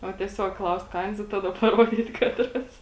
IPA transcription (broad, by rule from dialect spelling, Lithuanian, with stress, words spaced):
oː tʲiɛˈsʲoːk ˈklˠɐʊst ˈkɐɪns ɪ ˈtɑːdɐ pɐˈruɔdʲiːt ˈkɑːtrɐs